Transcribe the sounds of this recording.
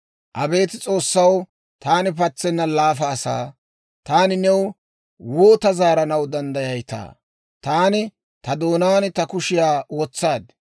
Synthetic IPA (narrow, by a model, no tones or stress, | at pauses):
ʔɐbe̞ːt̪ɪt͡sʼo̞ːsːɐw | t̪aːnɪpɐt͡sːɛnːɐlaːfɐːsa̰ː | t̪aːnɪnɛw | woːt̪ɐzaːɾɐnɐwd̪ɐnd̪ɐjɐjt̪a̰ː | t̪aːnɪ | t̪ɐd̪o̞ːnaːnt̪ɐkʊʃɪjaːwɔːt͡sːaːd̪